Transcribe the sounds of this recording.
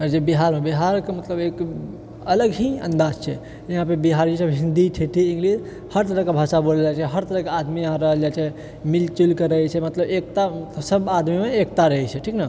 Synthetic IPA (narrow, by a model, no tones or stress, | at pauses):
əɾd͡ʒebiɦaɾmebiɦaɾkemət̪ləbek | ələɡɦĩə̰̃nd̪ad͡ʒt͡ʃʰɛ̰ | jɐɦãpebiɦaɾd͡ʒisəbɦĩnd̪iʈʰeʈʰiĩŋɡlid͡ʒ | həɾt̪əɾəkebʱasaboləld͡ʒat͡ʃʰɛɦəɾt̪əɾəɦkead̪mijəɦãɾəɦəld͡ʒat͡ʃʰɛ | milt͡ʃulkeɾəɦɛt͡ʃʰɛmət̪ləbek̚t̪amsəbad̪mimeek̚t̪aɾəɦɛt͡ʃʰɛʈʰikna